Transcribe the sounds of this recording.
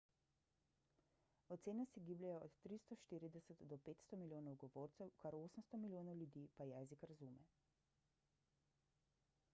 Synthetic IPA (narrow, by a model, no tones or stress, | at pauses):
ɔt̪seːnɛsiɡiːblʲɛjɔɔt̪ːɾist̪ɔʃt̪iːɾid̪ɛsət̪d̪ɔpeːt̪st̪ɔmiljoːnɔwɡɔʋoːɾt̪sɛwkaɾoːsəmst̪ɔmilʲjoːnɔwljud̪iːpajɛːzikɾazumɛ